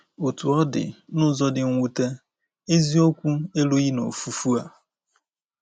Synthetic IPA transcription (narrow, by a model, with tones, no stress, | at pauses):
o˨tu˨ɔ˦dɪ̰˨nʊ˦zɔ˦dɪ˨ŋ̩˦ŋʷu˦ta˦ | e˦zi˦o˦kʷu˦e˦lo˦ɣi˦no̰˨fu˨fu˦a˨